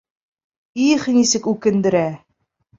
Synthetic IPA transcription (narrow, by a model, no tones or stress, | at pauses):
iχnisɘkʉkɘ̆nd̪ɘ̆ɾæ